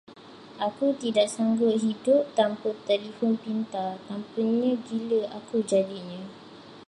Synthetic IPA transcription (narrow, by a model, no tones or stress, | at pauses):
ʔakut̪idaʔsaŋɡʊt̪̚ɦidʊp̚t̪ampət̪ɛlifɔnpint̪at̪ampuɲə̃ɡiləʔakud͡ʒadiɲã